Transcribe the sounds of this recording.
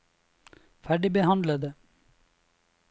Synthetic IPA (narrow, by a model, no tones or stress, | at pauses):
fæɖɪbəɦɑnd̪ləd̪ə